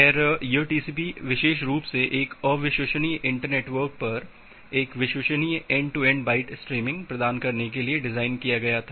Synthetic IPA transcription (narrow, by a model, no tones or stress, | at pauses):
ɛɾjuːʈiːsipiʋɪʃeːʃɾuːpseʔeːkɔːʋɪʃʋəʃənijʔɪ̃ɳʈəɾneːʈʋəɾk̚pɐɾ | eːkʋɪʃəʃənijɛ̃ːɳɖʈuɛ̃ːɳɖbaːɪʈsʈɾiːmɪ̃ŋɡpɾɐd̪aːnkɐɾnek̬elieɖɪzaːɪnkijaɡɐjat̪ʰaː